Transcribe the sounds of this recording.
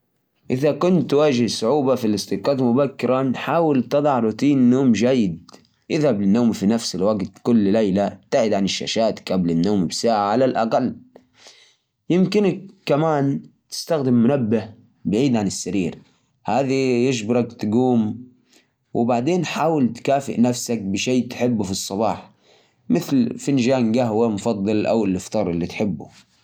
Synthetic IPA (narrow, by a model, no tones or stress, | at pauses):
ʔɪðakʊnt̪ːwaːʒɪhsˤʊʕuːbafilɪst̪ɪqɑːt̪mʊbakːɪɾanħaːwɪlt̪ɨd̪ˤɑʕɾuːt̪ˤiːnnːoːmd͡ʒajːɪd̪ | ʔɪðhablɪnːoːmfinafsɪlwaɡt̪kʊlːlajlat̪ːaʕɪd̪ʕanɪʃːa̰ʃaːt̪kablɪnːoːmbsaːʕaʕalalʔaqalː | jɪmkɪnakːamaːnt̪ɪ̥st̪axd̪ɪmːʊnabːɪh | bɪʕiːd̪ʕanɪsːaɾiːɾ | haːðijɪʃbɪɾɑkt̪ɡuːm | wɪbaʕd̪eːnħaːwalt̪kaːfɪ̰ʔnafsak̚bɪʃeːt̪ħɪbːʊfisˤːɑβɑːħ | mɪθlfɪnʒaːnɡaɦwamʊfɑd̪ˤːɨlʔa̰wɪlːɪft̪ˤɑːɾˤɪlːit̪ħɪbːṵ